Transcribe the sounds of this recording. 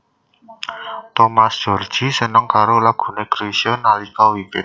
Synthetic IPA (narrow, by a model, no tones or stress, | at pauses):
t̪ɔmasd̥ʒ̥o̤rd̥ʒ̥i̤sənəŋkaɾolaɡ̥ṳneɡ̥ɾesiɔnːalikɔwiwɪt̪̚